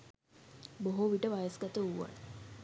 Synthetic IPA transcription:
boɦoʋiʈəʋajəsɡat̪əuʋa̰n

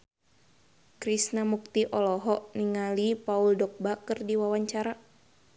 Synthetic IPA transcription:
kɾisnamuk̚t̪iʔɔlɔɦɔʔniŋalipauldɔk̚bakərdiwawaɲt͡ʃaɾa

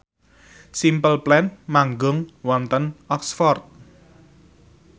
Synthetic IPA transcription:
simpəlplɛnmaŋɡʊŋwɔnt̪ənɔksfɔrt̪̚

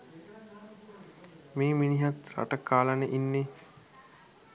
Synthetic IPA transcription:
meːminiɦat̪ɾa̰ʈəkaːlənəʔinːe

